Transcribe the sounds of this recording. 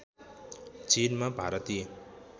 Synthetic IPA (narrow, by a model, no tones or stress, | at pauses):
t͡sinmabʱaɾʌt̪i